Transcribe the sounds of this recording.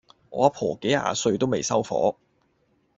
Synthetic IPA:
ʔɔː˨˧ɐ˥pʰɔː˨˩ke˨˥jha̰ː˧sɵ˧ɥt̪o˥wme˨jsɐ˥wfɔ̰ː˨˥

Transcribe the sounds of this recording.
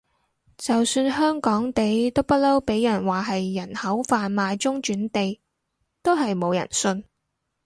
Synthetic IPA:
t͡sɐ˨wsyː˧nɦœː˥ŋkɔː˨˥ŋt̪e˨˧jt̪o˥wpɐ˥t̚lɐ˥wpe˨˥jːɐ˨˩nwaː˨˩ɦɐ˨jːɐ˨˩nhɐ˨˥wfaː˧nmaː˨˧jt͡sʊ˥ŋt͡ʃyː˨˥nt̪e˨j | t̪o˥wɦɐ˨jmo˨˧wjɐ̰˨˩nsɵ˧n

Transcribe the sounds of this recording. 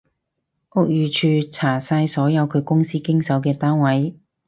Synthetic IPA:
ʔʊ˧˥k̚jyː˨˧t͡ʃʰyː˨˧t͡sʰaː˨˩saː˧jsɔː˨˥jɐ˨˧wkʰɵ˨˧ɥkʊ˥ŋsiː˥kɪ˥ŋsɐ˨˥wkɛː˧t̪aː˥nwɐ˨˥j

